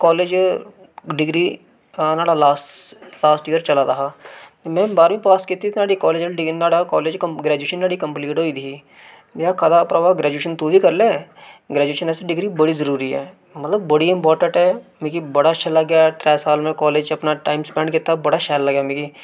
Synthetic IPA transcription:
kɔːleːd͡ʒ | ɖɪɡɾi | naːɽalaːslaːsʈijəɾt͡ʃɐlaɾɐɦamɛ̃ːbaːɾmĩpaːskiːt̪inaːɽikɔːleːd͡ʒəlɖɪɡnaːɽakɔːleːd͡ʒɡɾɛːd͡ʒueːʃənːaːɽikɐ̃mpliːʈɦoːid̪ʱi | jakʰaːd̪apɾɐʋaːɡɾɛːd͡ʒueːʃənt̪ubʱikɐɾleɡɾɛːd͡ʒueːʃənɛːseɖɪɡɾibɐɽizɐɾuːɾiɦɛ̰ː | mɐt̪ləbːɐɽiɪ̃mpɔːɾʈə̃ɳʈɦɛmẽkibɐɽaɐt͡ʃʃʰalɐɡjaʈ̪ɾɛːsaːlmẽkɔːleːd͡ʒɐpnaʈaːɪmspɛ̃ːɳɖkeːt̪abɐɽaʃɛːllɐɡjamĩki

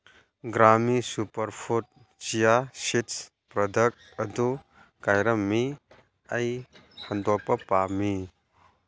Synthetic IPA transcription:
ɡɾamisupɐɾpʰut̚ | t͡ʃijasits | pɾɔdɐk̚t̚ | ɐdu | kajɾɐmːi | ɐjhɐndɔk̚pɐpami

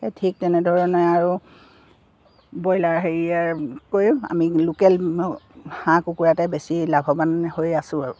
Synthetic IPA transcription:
ɛtʰik̚tɛnɛdʱɔɹɔnɛaɹu | bɔjlaɹɦeɹiaɹkojʊ̃a̰milukɛl | hãkukuɹatɛbesilabʱɔbanhojasʊ̃aɹu

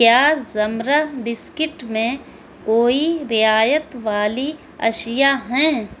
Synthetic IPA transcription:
kjaːzɐmɾəbɪskɪʈmẽ | koːiɾɪaːjət̪ʋaːli | ɐ̰ʃjaɦɛ̃ː

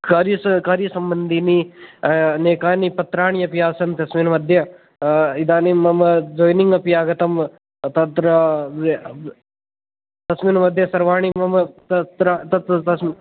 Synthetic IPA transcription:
kaɾjskaːɾjɐsɐmbɐnd̪ʱini | neːkaːnipɐt̪ɾaːɳ̃ijɐpijaːsɐnt̪ɐsmiːnmɐd̪ʱjɐ | id̪aːnimɐmɐd͡ʒoːjniŋɡɐpijaːɡɐt̪ɐm | t̪ɐt̪ɾɐ | t̪ɐsmiːnmɐd̪ʱjɐsɐɾʋaːɳ̃imɐmt̪ɐt̪ɾat̪ɐt̪ɐs

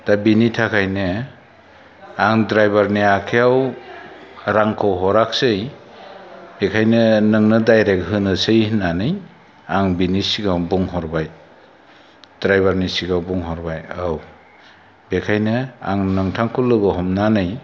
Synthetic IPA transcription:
d̥abinitʰakʰajnɯ | aŋdɾajbaɾniakʰeaw | ɾaŋkʰɯwɦɔɾak̚sɯj | bekʰajnɯnɯŋnɯdajɾek̚ɦɯnɯsɯjhnanɯj | aŋbinisiɡawbuŋɦɔɾbaj | d̥ɾajbaɾnisiɡawbuŋɦɔɾbajaw | bekʰajnɯa̰ŋnɯŋtʰaŋkʰɯlɯbɯɦɔmnanɯj

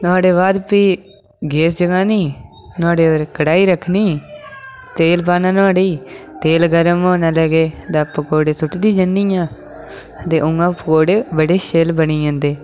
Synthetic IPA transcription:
nʊaːɖeːβaːd̪piː | ɡeːsd͡ʒəɡãːniː | nʊãːɽeːoːɾkəɽaːiːɾəkʰːniː | t̪eːlpaːnãːnãːɖeːt̪eːlɡəɾəmoːnãːlɛːɡeːd̪apːkoːɽeːsʊʈd̪iːd͡ʒənːiːjãː | ət̪eːʔʊŋɡãːpkoːɽeːbəɽeːʃeːlbəniːãːnd̪eː

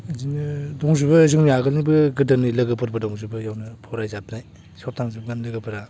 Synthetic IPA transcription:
zinɯdɔŋzubɯzɯŋmijaɡɯlnibɯɡɯdɯnilɐɡɯpʰɯɾbɯdɔŋzubɯjawnɯpʰɔɾajzapʰnaj | sɔp̚tʰaŋzɯb̚ɡanlɯɡɯpʰɯɾa

